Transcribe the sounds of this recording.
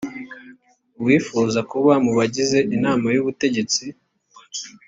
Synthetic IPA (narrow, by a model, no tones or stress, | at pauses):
wiːfuːzakuβamuβaɟize̞ʔinaːmajuβute̞ɟe̞t͡si